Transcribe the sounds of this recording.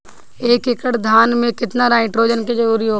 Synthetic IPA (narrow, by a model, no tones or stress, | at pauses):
eːkɪkəʈd̪ʱaːnmẽkɪt̪naɾaːɪ̃ʈɾoːd͡ʒənked͡ʒɐɾuːɾiɦoː